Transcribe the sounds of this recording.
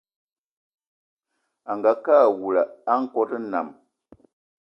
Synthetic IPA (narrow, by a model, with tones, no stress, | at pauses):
a˨ŋɡa˨kaː˦˨wu˨la˨a˦ŋ̩˦kɔ˦tə˦na̰˨m